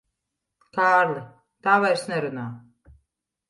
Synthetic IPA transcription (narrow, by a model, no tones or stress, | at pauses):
kaːɾlˠɨ | t̪aːvajɾsnɛɾunaː